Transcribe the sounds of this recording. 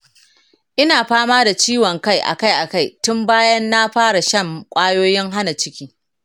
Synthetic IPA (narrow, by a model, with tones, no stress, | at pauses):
ʔɪ˦naː˨ɸaː˦maː˦da˨t͡ʃiː˦wɔ˨ŋka˦˨jʔa̰˨ka˦jʔa˨ka˦˨jtʊ˦mbaː˦jɐ˦nːa˦ɸaː˦ɽa˨ʃɐ˦˨mkʷʼaː˦joː˦jɪ˦ŋɦa˦na˨t͡ʃɪ˦kʲiː˦